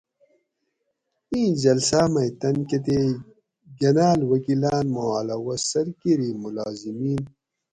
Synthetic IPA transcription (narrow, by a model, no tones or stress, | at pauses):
ĩːnd͡ʑɐlsaːmɐjt̪ɐnket̪e | ɡɐnaːlwɐkilaːnmoaːlɐwɐsɐɾkiɾimulaːzimiːn